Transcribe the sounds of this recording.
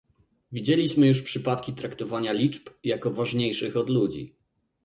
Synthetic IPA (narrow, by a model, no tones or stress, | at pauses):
vʲid͡ʑelʲiɕmɘjuʂpʂɘpat̪kʲit̪ɾakt̪ɔvaɲalʲit͡ʂpjakɔvaʐɲejʂɘxɔd̪lud͡ʑḭ